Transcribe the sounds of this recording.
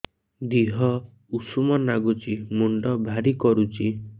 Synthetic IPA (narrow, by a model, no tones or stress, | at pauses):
d̪iɦɔ | usumɔnaɡut͡ʃimuɳɖɔbʱaɾikɔɾut͡ʃi